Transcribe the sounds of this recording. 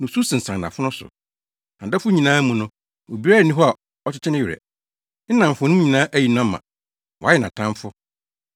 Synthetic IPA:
nʊ̃˨su˦sɪ̃˨n̩˨sã˨n˨nã̰˨fʊ˦nʊ̃˦sʊ̰˨ | ã˨da˦fʊ˦ɲĩ˨nãː˦mũ˨nʊ̃˦ | o˨bi˦ɾa˦˨nĩ˦ɦɔ˦a˨ | ɔ˦t͡ɕʰɪ˦t͡ɕʰɪ˦nɪ̃˦ɥɪ˨ɾɛ̰˨ | n̩˦nã˨m˨fʊ˨˦nʊ̃˦ɲĩ˨nãː˦ʔæ˦ji˨nʊ̃˦a˦mã̰˨ | wɔ˨a˦jɛ˦˨nã˨tʰã˦m˦fʊ˦

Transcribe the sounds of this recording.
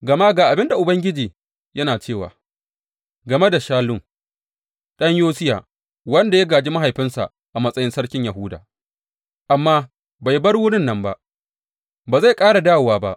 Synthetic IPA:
ɡɐ˨ma˦ɡaː˨ʔa˨bɪ˦nda˨ʔʊ˨bɐ˦ŋɡʲɪ˦d͡ʒiː˨ | jɐ˦naː˨t͡ʃeː˦˨wa̰ː˨ | ɡɐ˨me˦da˨ʃaː˦lʊ˦˨ŋ | ɗɐ˦ɲjoː˦sɪ˦ja̰ː˨ | wɐ˦nda˨ja˦ɡaː˨d͡ʒiː˦ma˦ɦa˨jɸɪ˦nsa̰˨ | ʔa˨mɐ˦sʼɐ˦jɪ˦nsɐ˦ɽkʲɪ˦ɲja˨ɦʊː˦da̰ː˨ | ʔa˨mːaː˦ | ba˨jbɐ˦ɽwʊ˦ɽɪ˦nːɐ˨mba˦ʔ | baː˨za˦˨kʼaː˦ɽa˨daː˦˨waː˨ba̰˦ʔ

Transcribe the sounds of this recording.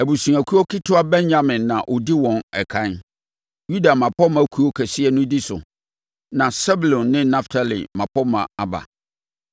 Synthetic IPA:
æ˨bu˨sũ˨æ˨kʰu˦ɔ˦kʰi˦tʰʊ˦a˦bɛ̃˦nɲã˨mɪ̃˨nːã˨ʔɔ˨di˦wɔ̃˨nɛ˨kʰã˦n | ju˦da˨mã˨pʰɔ˦mã˨˦kʰu˦ɔ˦kʰæ˨sɪ˦ɛ˦nʊ̃˦di˦sʊ̰˨ | nã˨sɛ˦bu˨lɔ̃˨nːɪ̃˦na˦ftʰa˨lḭ˨mã˨pʰɔ˦mã̰˨a˨ba̰˨

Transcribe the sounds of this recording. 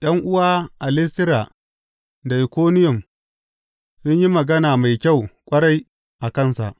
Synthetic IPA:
ɗɐ˦ŋʔʊ˦waː˦ʔa˨lɪ˦stɪ˦ɾa˨ | da˨ʔɪ˨kʷoː˦nɪ˦jʊ˨m | sʊ˦ɲji˦mɐ˨ɡɐ˦naː˨ma˨jkʲa˦˨wkʷʼɐ˦ɽa˦j | ʔa˨kɐ˦˨nsa̰˨ʔ

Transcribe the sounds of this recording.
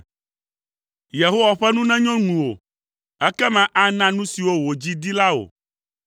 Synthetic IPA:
je˨ɦo˦wa˨ɸɛ˦nũ˦nɛ̃˦ɲɔ̃˦ŋũ˨wo˨ | ɛ˦kɛ˦mɛ̃˨ʔa˦nã˦nũ˦si˨wo˦wo˨d͡ʑi˦d̪i˦la˦o̰˨

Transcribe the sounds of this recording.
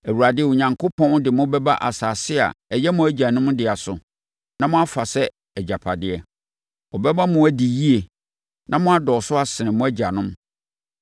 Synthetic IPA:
æ˨wu˨ɾa˨dɪ˦˨wʊ˨ɲã˨ŋkʰo˦pʰɔ̃˦n˦dɪ˨mʊ̃˦bɛ˦ba˦ʔa̰˨saː˨sɪ˦a̰˨ɛ˨jɛ˦mʊ̃˨æ˦d͡ʑa˨nʊ̃˦mdɪ˨a˨sʊ̰˨ | nã˦mʊ̃˦a˦fa˨sɛ˦ | ɛ˨d͡ʑa˨pʰa˨dɪ˦ɛ˨ | ɔ˨bɛ˦bã˦mʊ̃˨æ˦di˨ji˦e˨ | nã˦mʊ̃˦a˦dɔ˨sʊ˦a˦sɪ˨nɪ̃˨mʊ̃˦æ˦d͡ʑa˨nʊ̃˦m

